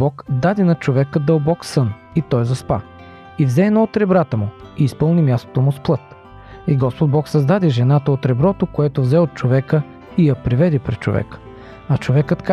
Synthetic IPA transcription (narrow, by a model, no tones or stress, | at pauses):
bɔkd̪ad̪inɐt͡ʃovɛkəd̪əlˠbɔksɤn | it̪ɔjzɐspa̰ | ivzɛːnɔot̪ɾɛbɾat̪əmʊiːspɤlˠnimjast̪o̥t̪omʊsplˠɤt̪ | iɡɔspod̪̚bɔksɐzd̪ad̪iʒɛnat̪əot̪ɾɛbɾɔt̪okoɛt̪ovzɛot̪̚t͡ʃovɛkə | ijɐpɾivɛd̪ipɾɛt̪t͡ʃo̰vɛ̰k | ɐt͡ʃovɛkət̪ka